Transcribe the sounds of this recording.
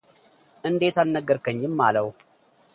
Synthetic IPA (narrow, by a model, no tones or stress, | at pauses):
ʔɨnd̪e̞t̪alnəɡːəɾkəɲːɪmːaləw